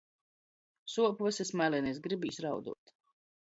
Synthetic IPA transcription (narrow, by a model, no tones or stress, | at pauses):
suɔpvasɛsmalɛnɛːs̬ɡɾibiːsɾawd̪ṵɔt̪